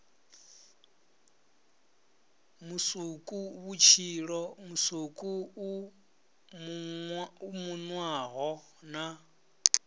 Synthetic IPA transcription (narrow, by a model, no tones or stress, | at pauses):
musukʼuβut͡ʃʰiɺɔmusukʼuu | m | umunwaɣɔ | na